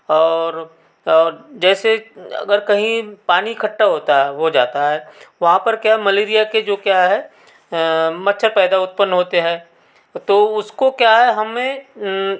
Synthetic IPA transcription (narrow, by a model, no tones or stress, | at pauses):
ɔːɾ | ɔːɾd͡ʒɛːseɐ̰ɡəɾkɐɦĩpaːnikʰɐʈːaɦoːt̪aɦod͡ʒa̰ːt̪aɦɛːʋɐɦãpɐɾkjamɐleːɾijaked͡ʒoːkjaɦɛ | mɐtːʃʰəɾpɛːd̪aʊt̪̚pənːɦoːt̪eɦɛ̃ː | t̪oːʊskokjaɦɛɦɐmẽ